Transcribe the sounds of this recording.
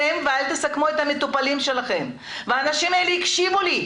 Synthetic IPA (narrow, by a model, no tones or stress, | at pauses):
emvealt̪esakmuet̪hamet̪upalimʃe̞laχe̞m | veaːnaʃimaeleikʃivuli